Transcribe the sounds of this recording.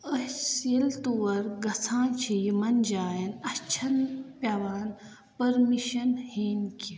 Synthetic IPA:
əsilt̪uʋɐɾɡɐsʰãːt͡ʃʰijimɐnd͡ʒaːjɐnɐt͡ʃʰɐnpʲjɐʋaːn | pɐɾmiʃɐnhiːnki

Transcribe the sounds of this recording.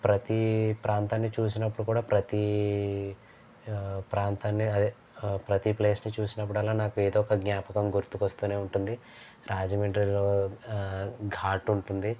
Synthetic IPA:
pɾɐt̪ipɾaːnt̪aːnːit͡ʃuːs̬inɐpːuɽukuːɽaːpɾɐt̪i | pɾaːnt̪aːnːiɐd̪ | pɾɐt̪iple̞ːsnit͡ʃuːsinɐp̬ːuɽɐlːaːnaːkueːd̪ɔːkɐɡɲaːpɐkɐmɡuɾt̪ukʋɐst̪uːne̞ːuɳʈund̪i | ɾaːd͡ʒɐmeɳɖɾiloː | ɡʱaːʈuɳʈund̪i

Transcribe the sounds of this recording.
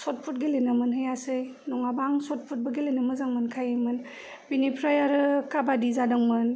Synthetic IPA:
sɔt̚pʰut̚ɡelenɯmɯnɦɯjasɯj | nɔŋabaŋsɔt̚pʰut̚bəɡelenɯmɯzaŋmɯnkʰajɯjmɯn | binipʰɾajaɾɯkabadizadɯŋmɯn

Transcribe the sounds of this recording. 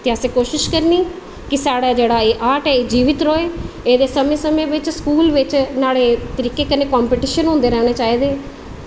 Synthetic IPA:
t̪eːəsẽːkoːʃɪʃkəɾniː | kɪsaːɽaːd͡ʒeːɽaːeːʔaːʈɛːeːd͡ʒiːʋɪt̪ɾoːeː | eːd̪eːsəmẽːsəmẽːʋɪt͡ʃskuːlʋɪt͡ʃnaːɭeːt̪əɾiːkeːkəneːkɔːmpeːʈiːʃənɦʊ̃ːnd̪eːɾɛːɽ̃eːt͡ʃaːiːd̪eː

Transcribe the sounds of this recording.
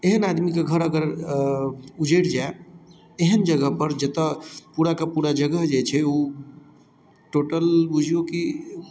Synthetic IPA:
eɦənad̪mikeɡʱəɾəɡəɾ | ud͡ʒeʈd͡ʒae | eɦənd͡ʒəɡəɦpəɾd͡ʒet̪əpuɾakepuɾad͡ʒəɡəɦd͡ʒet͡ʃʰɛu | ʈoʈəlbud͡ʒʱjoki

